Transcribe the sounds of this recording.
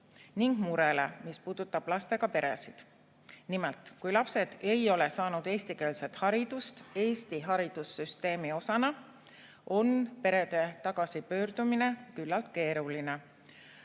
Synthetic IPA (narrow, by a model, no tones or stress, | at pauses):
niŋɡ̥muɾelemispuːd̪̥ut̪ːˑɑb̥lɑst̪e̞ɡ̥ɑpe̞ɾe̞̰sid̪̥ | nimelt̪ˑkujlɑpse̞d̪̥e̞jo̞lesɑːnud̪̥e̞ːst̪ike̞ːlse̞t̪hɑɾid̪̥ust̪e̞ːst̪iɦɑɾid̪̥usːyst̪e̞ːmio̞sɑnɑ | o̞npe̞ɾe̞d̪̥e̞t̪ɑɡ̥ɑsipø̞ːrd̪̥umine̞kylːɑlt̪̚ke̞ːɾuline̞